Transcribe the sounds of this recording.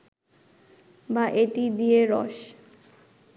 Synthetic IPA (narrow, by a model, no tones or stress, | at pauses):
baʔeʈid̪ieɾɔ̰ʃ